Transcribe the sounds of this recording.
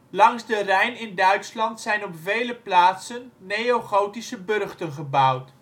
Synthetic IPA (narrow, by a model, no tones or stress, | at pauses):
lɑŋzdərɛjnɪndœɥtslɑntsɛjnɔpvejləplaːtsənːejowχowtisəbɵrχtənχəbʌwt